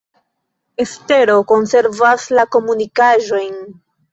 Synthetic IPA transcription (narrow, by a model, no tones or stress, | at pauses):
e̞ste̞ɾo̞ko̞nse̞ɾvaslako̞munikaʒo̞jn